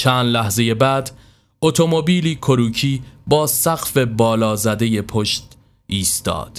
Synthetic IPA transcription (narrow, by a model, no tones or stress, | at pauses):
t͡ʃʰæːnd̪læhze̞je̞bæːd̪ | ot̪ʰo̞mo̞biːliːkʰoɾuːcʰiːbɒːsæɣ̥fe̞bɒːlɒːzæd̪e̞je̞pʰo̞ʃt̪ | ʔiːst̪ɒ̰ːd̪̥